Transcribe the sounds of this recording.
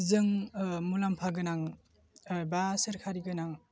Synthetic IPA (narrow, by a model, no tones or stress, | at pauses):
zɯŋmulampʰaɡɯnaŋ | basɯɾkʰaɾiɡɯnaŋ